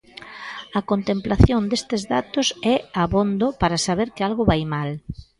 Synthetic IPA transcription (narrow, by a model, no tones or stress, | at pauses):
ɐkont̪emplaθjond̪est̪ɪzðat̪ʊsɛaβond̪opaɾɐsaβeɾkɪalɣʊβajmal